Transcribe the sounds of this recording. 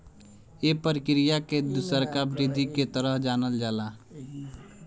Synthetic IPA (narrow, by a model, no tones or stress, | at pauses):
epəɾɪkɾijaked̪ʊsəɾkabɾɪd̪ʱiket̪əɾəd͡ʒaːnəld͡ʒaːlaː